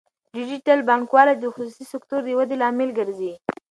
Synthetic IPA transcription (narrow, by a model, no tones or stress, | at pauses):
ɖɪd͡ʒiʈalbɑŋkwɑlad̪əxʊsusisɪkt̪oɾd̪əwad̪elɑmɪlɡəɾzi